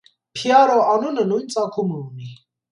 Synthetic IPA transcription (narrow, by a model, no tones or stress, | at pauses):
pʰiaɾɔʔanunənunt͡sʼakʰumuni